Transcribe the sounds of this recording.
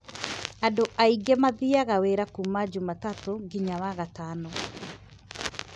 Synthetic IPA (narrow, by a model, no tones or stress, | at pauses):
andoʔaiɡɛmaðiaɣaweɾakumad͡ʒumatatoŋɡiɲawaɣatanɔ